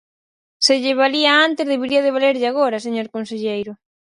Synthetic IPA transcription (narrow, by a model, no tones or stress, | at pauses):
sɪʎɪβ̞aliaant̪ɪzðeβeɾiɐð̞eβ̞aleɾʎaɣ̞oɾɐs̬eɲoɾkonseʎejɾʊ